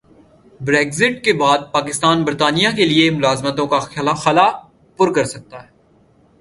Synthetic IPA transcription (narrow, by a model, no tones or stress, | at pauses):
bɾeːɡzɪʈkebaːd̪̚paːkɪst̪aːnbəɾt̪aːnijakeliemʊlaːzmət̪õkaaxɐla | pʊɾkɐɾsɐk̚t̪aɦɛː